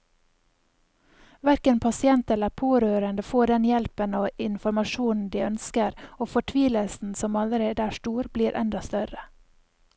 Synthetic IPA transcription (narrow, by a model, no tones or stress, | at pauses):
ʋæɾkənpʰɑsɪɛnt̪ɛləɾpʰoːɾøːɾənd̪əfoːɖɛnjɛlpənoːʔɪnfɔɾmɑʃuːnn̩d̪iːœnskəɾoːfɔʈʰʋiːləlsn̩sɔmɑləɾeːd̪əæːʃtuːɾbliːɾʔɛ̰nd̪ɑst̪œɾə